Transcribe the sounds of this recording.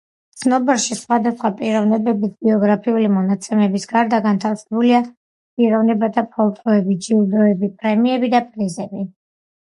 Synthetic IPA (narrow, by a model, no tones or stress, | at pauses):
t̪sʰnɔbɛɾʃisχwad̪asχwapʼiɾɔvnɛbɛbisbiɔɡɾapʰiulimɔnat̪sʰɛmɛbisɡaɾd̪aɡant̪ʰalsɛbulia | pʼiɾɔvnɛbat̪ʰapʰɔlˠt̪ʼɔɛbid͡ʒilˠd̪ɔɛbipʼɾɛmiɛbid̪apʼɾizɛbi